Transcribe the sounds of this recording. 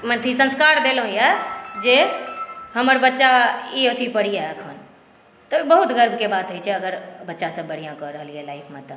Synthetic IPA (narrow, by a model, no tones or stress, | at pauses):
mə̃nt̪ʰisə̃nskaːɾd̪eːlõijad͡ʒeː | ɦəməɾbətːʃaiot̪ʰipəɽijaɦekʰaːn | t̪ɔbəɦʊt̪ɣəɾbʱkebaːd̪ɦoit͡ʃʰɛəɡəɾbɐtːʃasə̃bəɽ̤ijãkɔɾəɦəliɦɛlaːɪfʰmẽt̪ə